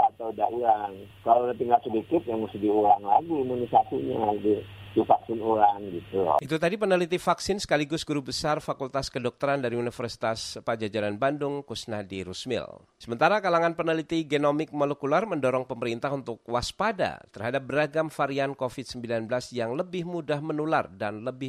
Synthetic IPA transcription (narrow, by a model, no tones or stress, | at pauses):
at̪awdauɾaŋkalawnəp̪iŋɡasədikɪt̪̚jaŋməsudiuɾaŋlaɡiːmunisasiɲadidifaksɪnuɾaŋɡit̪ulɔ̰ʔit̪ut̪adipənəlit̪ifaksɪnsə̥kaliɡʊsɡuɾubəsarfakult̪askədɔk̚t̪əɾandaɾiunifərsi̥t̪aspad͡ʒad͡ʒaɾanbandʊŋkusnadiɾusmɪ̰l | səmənt̪aɾakalaŋanpənəlit̪iɡenomɪk̚molekularməndɔɾɔŋpəməɾint̪aɦunt̪ʊk̚waspada̰t̪ərhadap̚bəɾaɡamfaɾiankofit̪̚səmbilanbəlasjaŋləbɪhmudahmənulardanləbɪ